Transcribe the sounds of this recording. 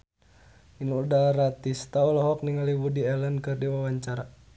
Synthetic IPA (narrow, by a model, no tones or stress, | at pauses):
inuudaɾat̪ist̪aulɔɦɔk̚niŋaliwudiɛlɛnkɨrdiwawaɲt͡ʃaɾa